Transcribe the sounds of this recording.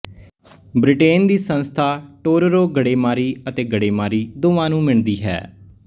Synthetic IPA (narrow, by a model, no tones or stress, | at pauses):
bɾɪʈeːnd̪iːsənst̪ʰaːʈoːɾɾoːɡəɽeːmaːɾiːət̪eːɡəɽeːmaːɾiːd̪oːʋãːnũːmɪɳd̪iːɦɛ̰ː